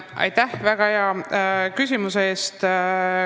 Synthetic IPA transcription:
ʔɑ̰jt̪ːæhvæɡ̥ɑeɑkys̬ʲimuseeːst̪

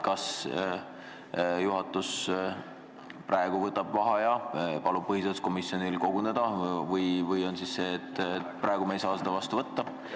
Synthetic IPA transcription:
kɑs | juɦɑt̪ːˑus | pɾʔɑeɡ̥uvɤt̪ːˑɑb̥vɑɦɑjɑpɑlub̥̚pɤɦisesko̞misjo̞nilko̞ɡ̥une̞d̪̥ɑvɤjvɤjo̞nsisse̞ːet̪ːpɾrɑeɡ̥umejsɑːsed̪̥ɑvɑst̪uvɤt̪ːɑ

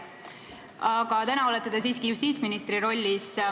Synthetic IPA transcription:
ɑɡ̥ɑt̪ænɑolet̪ːˑed̪̥esiːskijust̪iːt̪sminist̪riɾo̞lʲːis

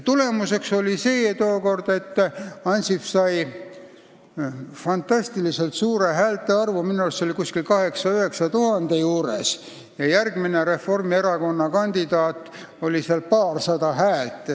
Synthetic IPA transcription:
t̪ule̞muse̞kso̞lʲise̞ːt̪oːko̞rd̪̥e̞t̪ːɑnʲsifsɑj | fɑnt̪ɑsʲt̪ilise̞lt̪suːɾe̞ɦæːlt̪ːˑe̞ɑrvuminuɑlst̪ːo̞likuskilkɑhe̞ksɑyɦhe̞ksɑt̪uɦɑnd̪̥e̞juːɾḛs | jɑjærɡ̥mine̞ɾe̞fo̞rmie̞ɾɑko̞nːɑkɑnʲd̪̥id̪̥ɑːt̪ːˑ | o̞lʲiseɑlpɑːrsɑd̪ɑɦæːlt̪ːˑ

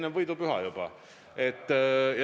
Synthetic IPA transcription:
nevɤjd̪upyɦɑ̰jub̥ɑ̰ | et̪ˑːjɑ

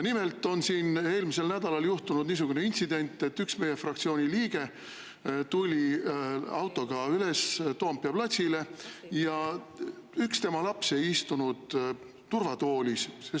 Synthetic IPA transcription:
nime̞lt̪ːˑo̞nsiːne̞ːlmise̞lnæd̪̥ɑlɑljuht̪unud̪niːs̬uɡ̥une̞int̪sid̪̥e̞nʲt̪ːˑe̞t̪ːyksme̞je̞frɑkt̪sio̞ːnʲiliːɡe̞ | t̪ulʲi | ɑwt̪ːˑo̞ɡ̥ɑyle̞st̪oɑmpːiɑplɑt̪ʲsʲile̞jɑ | ykst̪e̞mɑlɑpse̞jist̪unud̪̥ː | urvɑt̪o̞ːlʲisse

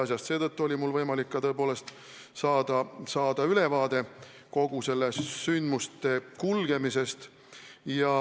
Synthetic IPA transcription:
ɑsʲjɑst̪seːt̪ɤt̪ːuo̞lʲimulvɤjmɑlikːɑt̪ɤ̞e̞po̞ːle̞st̪ | sɑːd̪̥ɑsɑːd̪ɑyle̞vɑːd̪e̞ | ko̞ɡ̥use̞lːesːynd̪must̪e̞kulɡ̥e̞mise̞st̪ | jɑ

